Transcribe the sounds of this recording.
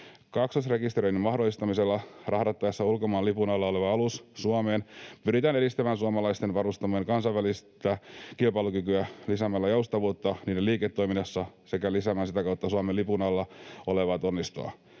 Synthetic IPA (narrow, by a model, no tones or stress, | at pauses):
kɑksosrekist̪eɾøinimɑhdolist̪ɑmiselːɑrɑhdɑt̪ːɑesːɑulkomɑːnlipunɑlːɑoleʋɑɑlussuɑmeːnpyɾit̪æːneɾist̪æmæːnsuɑmɑlɑist̪enʋɑɾust̪ɑmeŋkɑnsɑjʋælist̪ækilpɑilukykyælisæmælːæjoust̪ɑʋuːt̪ːɑniːdeliːket̪ːoiminːɑsːɑse̞kælisæmænsit̪ækɑut̪ːɑsuɑmelipunɑlːɑoleʋɑt̪onːist̪o̰ɑ̰